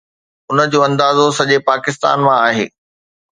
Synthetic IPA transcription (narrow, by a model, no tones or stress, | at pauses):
ʊnə̆d͡ʑoːɐ̃nd̪aːzosɐʄepaːkɪst̪a̰ːnmãaːɦḛː